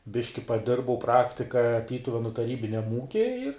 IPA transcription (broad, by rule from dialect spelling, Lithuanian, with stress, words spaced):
ˈbʲɪʃʲkʲɪ pɐˈdʲɪrbɐʊ ˈprɑːktʲɪkɐ ˈtʲiːtʊʋʲɛnʊ tɐˈrʲiːbʲɪnʲɛm ˈuːkʲiː ɪr